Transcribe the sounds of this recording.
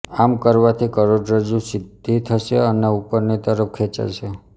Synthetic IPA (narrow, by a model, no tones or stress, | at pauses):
amkəɾʋat̪ʰikəɾoɖɾəd͡ʒũsɪd̪ʱit̪ʰəʃeəneupəɾnit̪əɾəp̚kʰet͡ʃa̰ʃe